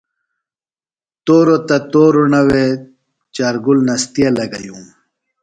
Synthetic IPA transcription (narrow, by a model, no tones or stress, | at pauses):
t̪oːɾot̪at̪oːɾunawe | t͡ʃaːɾɡulnast̪ijalɐɡajum